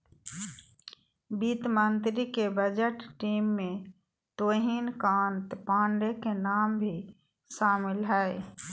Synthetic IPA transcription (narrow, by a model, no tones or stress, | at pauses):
bit̪mənt̪ɾikebəd͡ʒəʈʈiːmːẽ | t̪oːɦiːnkãːnt̪paːɳɖekenaːmbʱi | ʃaːmɪlɦɛe